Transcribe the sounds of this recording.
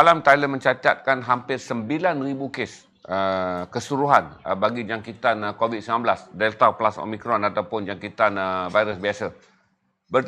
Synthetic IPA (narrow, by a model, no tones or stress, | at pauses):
alamt̪ajləmə̃ɲt͡ʃat̪at̪̚kanɦampɪrsəmbilanribukes | əkəsuɾuɦanəbaɡid͡ʒaŋkit̪ankovid̪̚səmãnbəlasdɛlt̪aplaso̰mĩkɾɔnat̪awpʊnd͡ʒaŋkit̪anəvajɾəsbiasə | bər